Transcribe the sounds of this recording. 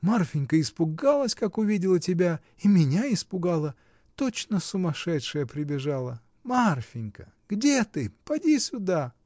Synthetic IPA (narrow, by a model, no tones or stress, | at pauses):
marfʲɪnʲkəɪspʊɡalˠəsʲkakʊvʲidʲɪlˠətʲɪbʲa | imʲɪnʲaɪspʊɡalˠə | t̪ot͡ɕnəsʊmɐʂɛtʂɨjəpɾʲɪbʲɪʐalˠə | marfʲɪnʲkə | ɡ̥dʲet̪ɨpɐdʲisʲʊd̪a